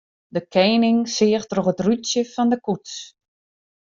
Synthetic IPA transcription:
dəkʰɛːnɪŋsɪəxtrɔχətrytsjəfɔndəkuts

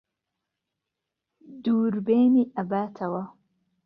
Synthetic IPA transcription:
d̪uːɾbeːniːʔɐbaːt̪ʰɐwɐ

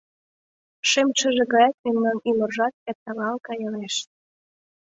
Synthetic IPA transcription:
ʃemt͡ɕə̆ʒeɣɑjɑt̪̚memnɑnymorʒɑt̪̚ep̚t̪ɑlɑlkɑjɤleʃ

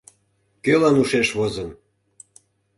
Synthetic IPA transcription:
kølɑnuʃeʃβozən

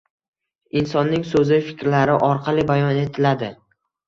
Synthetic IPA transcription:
ɪnsɒnːɪŋsɵzɪfɪ̥kʲɾlaɾɪʔɒɾqʰɑlˠɪbajɒne̞t̪ʰɪlad̪ɪ

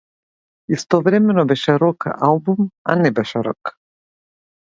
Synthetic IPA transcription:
ist̪ɔvɾɛmɛnɔbɛʃɛɾɔka̰ʔalˠbuma̰nɛbɛʃɛɾo̰k

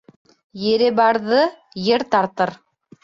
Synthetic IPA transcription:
jɘ̆ɾɘbɑɾðɤ | jɘɾt̪ɑɾt̪ɤɾ

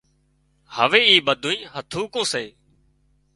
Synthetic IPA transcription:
həʋeːiːɓəd̪ʱuːĩːɦət̪ʰũːkõːseː

